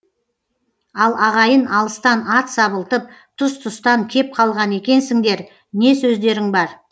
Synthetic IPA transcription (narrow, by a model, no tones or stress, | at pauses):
ɑlˠɑʁɑjənɑlˠəst̪ɑnɑt̪sɑβəlˠt̪əp̚t̪ʰʊst̪ʰʊst̪ɑŋkʲʰe̞p̚qʰɑlˠʁɑne̞kʲe̞nsɪŋd̪e̞ɾ | ne̞sɵzd̪e̞ɾɪŋbɑɾ